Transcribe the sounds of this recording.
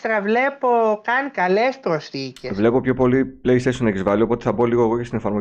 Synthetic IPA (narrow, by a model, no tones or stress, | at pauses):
t̪ɾɐvle̞po̞kɐnkɐlespɾosθicesvle̞popço̞po̞lipleist̪esunɐeçizvɐlio̞po̞t̪eθɐbo̞liɣo̞ːɣo̞cest̪ine̞fɐɾmo